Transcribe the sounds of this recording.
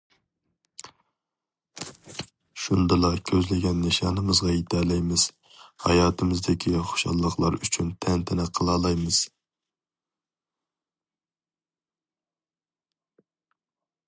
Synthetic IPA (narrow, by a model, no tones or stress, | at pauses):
ʃund̪ɨlˠɑkʲʰøzlɪɡʲɛnːɪʃɑːnɨmɨzʁɑjit̪ʰɛlɛjmɪz̥ | hɑjɑːt̪ʰɨmɨzd̪ɪkʲʰiχo̥ʃɑ̰lˠːəχlˠɑ̰ɾyt͡ʃʰynt̪ʰɛnt̪ʰɛnɛqʰːəlˠɑːlˠɑjmɨz̥